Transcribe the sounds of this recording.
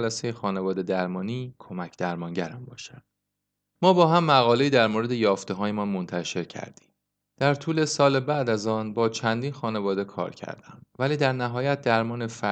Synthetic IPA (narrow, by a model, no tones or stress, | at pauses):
læse̞jexɒːne̞vɒːd̪e̞d̪æɾmɒːniːkʰo̞mæcʰd̪̥æɾmɒːŋɟæɾæmbɒ̰ːʃæd̪̥̚ | mɒːbɒːɦæmːæɣɒːle̞iːd̪æɾmoːɾe̞d̪e̞jɒːft̪eɦɒːjemɒːnmont̪ʰæʃe̞ɾcʰæ̰ɾd̪̥i̥ːm | d̪̥æɾt̪ʰuːle̞sɒːlebæd̪æzɒːnbɒːt͡ʃʰænd̪iːnxɒːne̞vɒːd̪e̞kʰɒ̰ːɾcʰæ̰ɾd̪̥æ̰mvæliːd̪æɾnæɦɒːjæt̪̚ʰd̪æɾmɒːne̞fæ